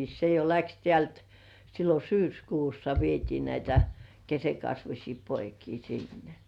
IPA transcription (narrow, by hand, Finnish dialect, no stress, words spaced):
se jo læks tĕæˑlt silːo syːskuːsːɑ ʋietiː næitæ kesekɑsʋusʲiː poikiː sinːe̥